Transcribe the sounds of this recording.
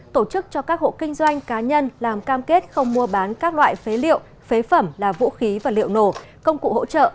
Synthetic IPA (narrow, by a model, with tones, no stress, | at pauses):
t̪o˧˩t͡ɕɨ˦˥k̚t͡ɕɔ˧kaː˦˥k̚ho̰˧˨kï˧ŋ̟zwa˧jŋ̟kaː˨˦ɲə˧nlaː˨˩mkaː˧mke˦˥t̚xə˧wŋ͡mmu˧əɓaː˨˦nkaː˦˥k̚lwa̰ː˧˨jfe˨˦lḭ˧˨əw | fe˨˦fə˧˩mlaː˨˩vṵ˧˥xi˨˦vaː˨˩lḭ˧˨əwno˧˩kə˧wŋ͡mkṵ˧˨ho̰˧˥t͡ɕə̰ː˧˨